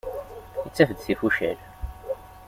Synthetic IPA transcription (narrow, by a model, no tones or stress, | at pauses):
it͡sːæfəd̪sifuʃæ̰l